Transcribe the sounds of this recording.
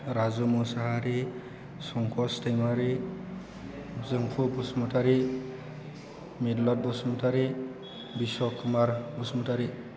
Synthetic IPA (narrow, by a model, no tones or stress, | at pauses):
ɾazumɔsaɦaɾi | sɔŋkʰɔstajmaɾi | zɯŋkʰubusmɔtaɾi | midlɔt̚bɔsmɔtaɾi | biswɔkʰumaɾbɔsmɔtaɾi